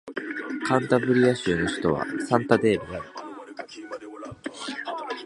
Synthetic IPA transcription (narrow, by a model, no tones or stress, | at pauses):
kʰãnt̪abɯ̟ɾʲiaɕiːno̞ɕi̥t̪o̞β̞a̰sãnt̪ad̪e̞ːbid̪aɾɯ